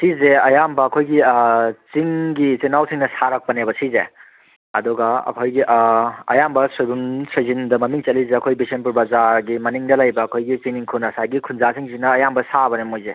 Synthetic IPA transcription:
sizeɐjambɐːkʰojɡit͡ʃiŋɡit͡ʃinawsiŋnɐsaɾɐk̚pɐnebɐsizḛ | ɐdɔɡɐɐ̰kʰojɡiʔɐ̰jambɐsojbunsɐzindɐmɐmiŋt͡ʃɐlizeɐkʰojbisenp̬uɾbɐzaɾɡimɐniŋdɐlɐjbɐːkʰojɡit͡ʃiŋniŋkʰunɐsaɡikʰunzasiŋsiŋnɐːjambɐsabɐnemojze

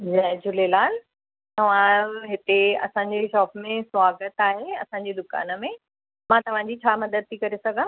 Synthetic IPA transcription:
zɛɦd͡ʑʊlelaːl | t̪ɐʋ̤ãɦɪt̪eɐ̰sãːɲ̆d͡ʑeʃɔːfmẽswaːɡət̪aːɦeɐsãɲ̆d͡ʑed̪ʊka̰ːnə̆mẽ | mãt̪ɐʋ̤ãd͡ʑit͡ɕʰaːmɐd̪əd̪̚t̪ʰikɐɾesɐɡʱãː

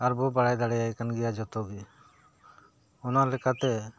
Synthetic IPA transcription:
aɾbɔbaɽajd̪aɽɛjajkanɡɛjad͡ʒɔt̪ɔɡi | ɔnalɛkat̪ɛ

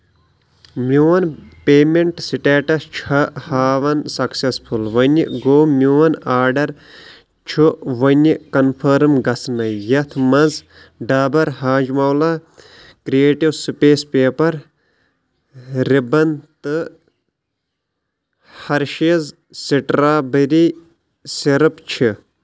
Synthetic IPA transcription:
mjuwɐnpeːmeɳʈsiʈeːʈɐst͡ʃʰɐhaːʋɐnsɐksespʰulʋɐnḭɡoːmʲuwɐnaːɾɖɐɾ | t͡ʃʰuʋɐnʲikɐnpʰɐɾmɡɐsnɐjɐt̪ʰmɐz | ɖaːbɐɾɦaːd͡ʒmɐwla | kɾijeːʈiwsɨpeːspeːpɐɾ | ɾibɐnt̪ɨ | hɐɾʃiz | siʈɾaːbɐɾi | siɾɨpt͡ʃʰi

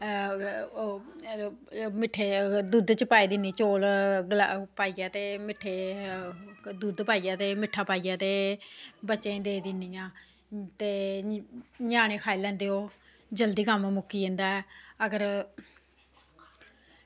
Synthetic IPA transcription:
mɪʈʰːeːd̪uːd̪t͡ʃəpaːiːd̪ɪniːt͡ʃoːlɡla̰paːiːaːt̪eːmɪʈʰːeː | d̪uːd̪paːiːjãːt̪eːmɪʈʰːaːpaːijaːt̪eːbətːʃẽd̪eːd̪ɪnːiːjãː | t̪eː | ɲaːñeːkʰaːilɛ̃ːnd̪eːɦoː | d͡ʒəld̪iːkəmmʊkːiːẽnd̪aːɛːəɡəɾ

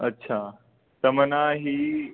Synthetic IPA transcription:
ətːɕʰaː | t̪ɐmənaɦiː

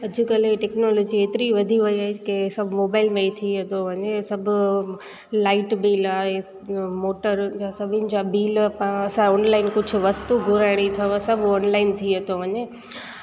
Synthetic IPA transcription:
ɐd͡ʑʱɪkɐleʈɛːknoːloːd͡ʑieːt̪ɪɾiʋɐd̪ʱiʋɐiaːɦekesɐbʱmoːbaːɪlmẽit̪ʰiɦɐt̪oʋɐɲesɐbʱʊ | laːɪʈbiːlaːɦe | moːʈəɾd͡ʑasɐbʱɪnɪ̆d͡ʑabiːlpãɐsãɔːnlaːɪnkʊd͡ʑʱʊ̆ʋɐst̪uɡʱʊɾaɪɽit̪ʰɐʋsɐbʱɔːnlaːɪnt̪ʰiɐt̪oʋɐɲeː

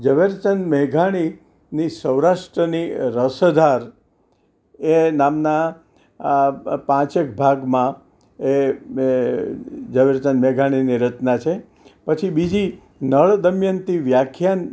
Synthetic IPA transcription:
d͡ʒəʋeɾt͡ʃənmeɡʱaɽ̃i | nisəwɾaʃʈɾəniɾəsəd̪ʱaɾ | enamna | pãt͡ʃek̚bʱaɡmã | e | d͡ʒəʋeɾt͡ʃənmeɡʱaɽ̃iniɾətnat͡ʃʰe | pət͡ʃʰibid͡ʒi | nəɭd̪əmjənt̪iʋjakʰjan

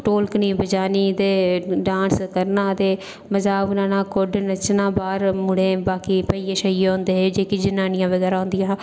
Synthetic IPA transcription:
ʈoːlknĩːbəd͡ʒaːniːd̪eːɖãːnskəɾnaːt̪eː | məzaːʋnãːnãːkʊɖnət͡ʃnãːbaːɾmʊɽeːbaːkiːpəiːeːʃəiɦõːnd̪eːɦeːd͡ʒeːkid͡ʒɪnaːnɪjãːʋəɡɛːɾaːɦʊ̃nd̪ɪjãː

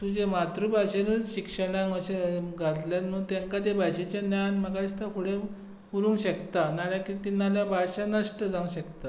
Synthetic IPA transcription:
t̪ud͡ʑemat̪ɾubʱaɕenəd͡zɕikʂəɽ̃ãŋəɕeɡʱat̪ljanuːt̪jãŋkat̪ebʱajɕet͡ɕjanjanməɡaist̪afʰoɽe | puɾũŋɡɕəkt̪analjakit̪inːaljabʱaɕanəsʈəd͡zaũŋɕəkt̪a

